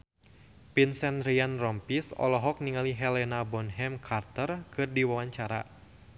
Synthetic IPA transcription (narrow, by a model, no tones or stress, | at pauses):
pinsɛnɾianrɔmpisɔ̰lɔɦɔk̚niŋaliɦɛlɛnabɔnɦɛmkʰart̪ərkɨrdiwawaɲt͡ʃaɾa̰